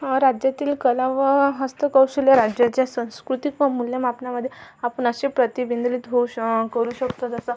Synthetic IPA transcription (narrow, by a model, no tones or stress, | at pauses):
ɾad͡ʑjat̪iːlkəlaʋəɦəst̪əkəuɕəljaɾad͡ʑjat͡ɕjasə̃w̃skɾut̪ikʋəmuljəmapnaməd̪ʱjeapəɳəɕepɾət̪ibind̪ɾit̪ɦouɕkəɾuːɕəkt̪ot̪əsə